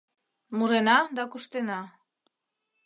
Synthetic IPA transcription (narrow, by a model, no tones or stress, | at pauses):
muɾenad̪akuʃt̪ena